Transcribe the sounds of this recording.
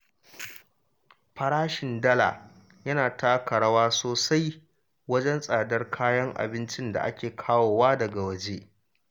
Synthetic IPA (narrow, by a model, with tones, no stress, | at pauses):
ɸɐ˨ɽaː˦ʃɪ˨ndɐ˦la̰˨ | jɐ˦naː˨ta˦kɐ˨ɽɐ˦waː˦soː˨sa˦j | wɐ˦d͡ʒɛ˦nsʼaː˨dɐ˦rkʰaː˦jɐ˦ŋʔa̰˨bɪ˦nt͡ʃɪ˦nda̰˨ʔa̰˦kʲeː˨kʰaː˦woː˨waː˦dɐ˨ɡa˨wɐ˦d͡ʒe˦ʔ